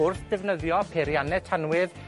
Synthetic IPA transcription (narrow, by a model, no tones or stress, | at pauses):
ʊrθd̥ɛvnəðjɔpʰeɾjanɛtʰanwɪð